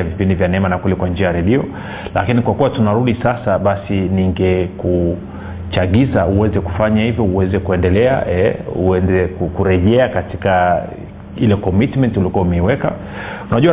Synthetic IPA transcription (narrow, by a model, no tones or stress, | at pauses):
avipindivjanɛɛmanakwɛlɛkwand͡ʒiajaɾɛɗiɔ | la̰kinikwakuwatunaɾuɗisasaɓasiniŋɡɛku | t͡ʃaɠizauwɛzɛku̥faɲahivjɔuwɛzɛkuɛndɛlɛa̰ɛṵɛnzɛkukuɾɛʄɛakatika | ilɛkɔmitmɛntiulikuaumɛiwɛka̰ | unaʄua